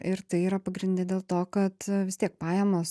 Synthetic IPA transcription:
ɪɾt̪ɐɪiːɾɐpɐɡɾʲɪnʲd̪ʲɪd̪ʲeːlˠt̪oːkɐt̪ʋʲɪst̪ʲiɛk̚pɑːjɛmoːs

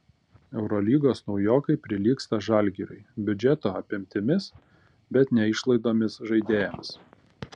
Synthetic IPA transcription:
ɛʊɾɔlʲiːɡoːsnɒʊjoːkɐɪpʲɾʲɪlʲiːkst̪ɐʒɑˑlʲɡʲiɾʲʊ̰ɪbʲʊd͡ʒʲɛt̪oːɐpʲɪmʲt̪ʲɪmʲɪs | bʲɛt̪nʲɛɪʃlˠɐɪd̪oːmʲɪsʒɐɪd̪ʲeːjɛms

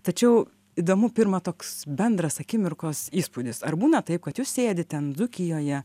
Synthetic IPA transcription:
t̪ɐt͡ʃʲɛʊ | iːd̪oːmʊpʲɪɾmɐt̪oːksbʲɛnd̪ɾɐsɐkʲɪmʲɪrkoːsiːspud̪ʲɪsɐrbuːnɐt̪ɐɪp̚kɐt̪juːssʲeːd̪ʲɪt̪ʲɛnzʊkʲɪjoːjɛ

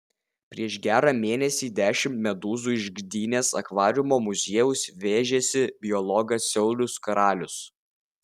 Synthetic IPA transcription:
pʲɾʲiɛʃɡʲæːɾɑːmʲeːnʲɛsʲiːd̪ʲæːʃʲɪmt̪mʲɛd̪uːzuːɪʒʲɡd̪ʲiːnʲeːsɐ̰kʋɑːɾʲʊmoːmʊzʲeɛjʊsʋʲeːʒʲɛsʲɪbʲɪjɔlˠɔɡɐsʲɛʊlʲʊskɐɾɑːlʲʊs

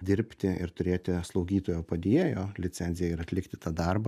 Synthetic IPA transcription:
d̪ʲɪɾʲpʲt̪ʲɪɪɾt̪ʊɾʲeːt̪ʲɪslˠɒʊɡʲiːt̪oːjoːpɐd̪ʲeːɛjoːlʲɪt͡s̪ʲɛnʲzʲɪjɛɪɾɐt̪ʲlʲɪkt̪ʲɪ̥t̪ɑːd̪ɐrbɐ

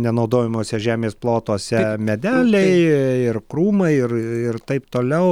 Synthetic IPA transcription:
nʲɛnɐʊd̪oːjɪmoːsʲɛʒʲæːmʲeːsplˠoːt̪oːsʲɛmʲɛd̪ʲæːlʲɛɪɪrkɾuːmɐɪɪrɪrt̪ɐɪpt̪oːlʲɛʊ

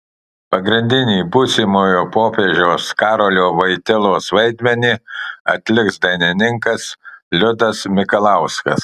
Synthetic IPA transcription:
pɐɡɾʲɪnʲd̪ʲɪnʲiːbuːsʲimoːjoːpoːpʲeːʒʲoːskɑːɾolʲoːʋɐɪt̪ʲɪlˠoːsʋɐɪd̪ʲmʲɛnʲiɐt̪ʲlʲɪksd̪ɐɪnʲɪnʲɪŋkɐslʲʊd̪ɐsmʲɪkɐlˠɐʊskɐ̰s

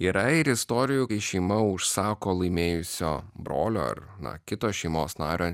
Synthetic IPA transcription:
iɾɐɪɾɪst̪ɔːɾʲɪjʊkɐɪʃʲɛɪmɐʊʃsɑːkoːlˠɐɪmʲeːjʊsʲo̰ːbɾoːlʲo̰ːɐ̰ɾ | nɐ̰kʲɪt̪oːʃʲɛɪmoːsnɑ̰ːɾʲoː

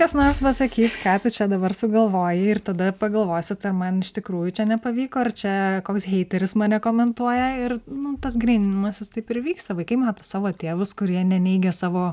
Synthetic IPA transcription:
kɐsnoːrspɐsɐkʲiːskɑːt̪ʲɪt͡ʃʲɛd̪ɐbɐrsʊɡɐlˠʋoːjɪɪrt̪ɐd̪ɐpɐɡɐlˠʋoːjsʲɪt̪ɐrmɐnɪʃt̪ʲɪkɾuːjʊt͡ʃʲɛnʲɛpɐʋʲiːkoːɐrt͡ʃʲɛkoːksɦʲɛɪt̪ʲɛɾʲɪsmɐːnʲɛkoːmʲɛnt̪uɔjɛɪrnʊt̪ɐs̬ɡrʲɛːnʲɪmɐsʲɪst̪ɐɪpɪrʋʲiːkst̪ɐʋɐɪkɐɪmɑːt̪ɐsɑːʋoːt̪ʲeːʋʊskʊɾʲiɛnʲɛnʲɛɪɡʲɛsɑːʋoː

